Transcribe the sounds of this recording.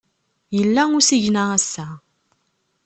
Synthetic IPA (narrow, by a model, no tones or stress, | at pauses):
jəlːæʊɾsiʝnaæsːæ